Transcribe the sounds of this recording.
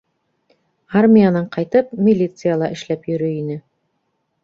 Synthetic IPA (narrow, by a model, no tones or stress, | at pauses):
armʲɪjanɑɴqɑjt̪ɤpmʲilʲit̪sɨjalˠɑʔɘ̆ʃlæpjɵ̆ɾɵinɘ